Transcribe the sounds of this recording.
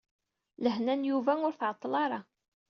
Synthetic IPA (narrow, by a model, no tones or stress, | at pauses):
ləɦnænjuvæʊɾθʕət̪ˤːlɑɾˤɑ